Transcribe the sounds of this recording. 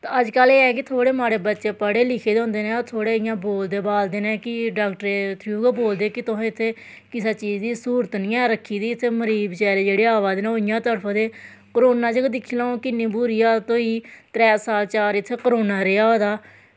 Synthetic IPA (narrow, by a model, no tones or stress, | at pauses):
t̪aəd͡ʒkəleːɛːk̬ɪt̪ʰoːɽeːmaːɾeːbətːʃeːpəɽeːlɪkʰeːd̪õːnd̪eːnẽːoɾt̪ʰoːɽeːɪjãːboːld̪eːbaːld̪eːnẽːkɪɖaːkʈəɾeːt̪ʰɾiuːɡaboːld̪eːkɪt̪ʊɦãːɪt̪ʰːeː | kɪsaːt͡ʃiːd͡ʒd̪iːsuːɾət̪nĩːɛ̃ːɾəkʰːiːd̪iːɪt̪ʰːeːməɾiːbt͡ʃɛːɾeːd͡ʒeːɽeːaːʋaːd̪enẽoːɪjãːt̪əɾpʰaːd̪eː | kəɾoːnãːt͡ʃəkd̪ɪkʰːiːlãːõːkɪnːĩːbʊːɾijaːt̪õːiːt̪ɾɛːsaːlt͡ʃaːɾɪt̪ʰːeːkəɾoːnaːɾeːaːɦoːd̪aː